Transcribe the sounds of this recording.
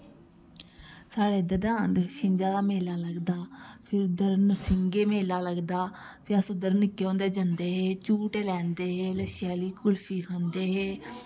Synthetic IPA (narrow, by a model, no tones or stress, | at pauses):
saːɽeːd̪əd̪aːənd̪ʃɪ̃ɲd͡ʒaːd̪aːmeːlaːləɡd̪aːpʰɪɾd̪əɾnsɪŋɡeːmeːlaːləɡd̪aːpʰɪəsõːd̪əɾnɪkːeõːnd̪eːd͡ʒənd̪eːɦeːt͡ʃuːʈeːlɛ̃ːnd̪eːɦeːləʃjaːliːkʊlpʰiːkʰõnd̪eːɦeː